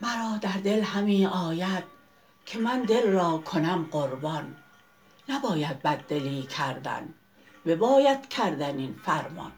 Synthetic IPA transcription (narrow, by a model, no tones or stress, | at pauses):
bæɾɒːd̪æɾd̪elhæmiːɒːjæd̪̥̚ | kʰemænd̪e̞lrɒːkʰonæmɢoɾbɒnː | æbɒːjæd̪̚bæd̪ːeliːkʰæɾd̪æ̰n | vebɒːjæt̪cʰæɾd̪æninfæɾmɒ̰n